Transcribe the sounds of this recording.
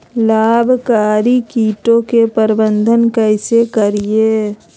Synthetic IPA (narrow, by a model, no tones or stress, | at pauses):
laːbʱkaːɾikiːʈõkepəɾbə̃nd̪ʱənkəɪsekəɾieː